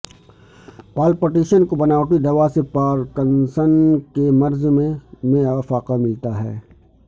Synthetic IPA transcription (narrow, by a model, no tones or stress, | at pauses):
paːlpəʈiːʃənkobɐnaːʊt̪id̪ɐʋaːsepaːɾkənsənkemɐɾzmẽmẽɐfaːqamɪlt̪aɦɛ̰ː